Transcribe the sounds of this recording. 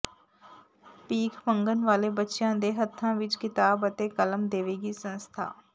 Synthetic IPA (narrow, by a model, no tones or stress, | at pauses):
piːkʰmə̃ŋɡənʋaːlebətːʃjãd̪eːɦət̪ʰːãʋɪt͡ʃkɪt̪aːbət̪ekələmd̪eːʋeɡisə̃nst̪ʰa̰ː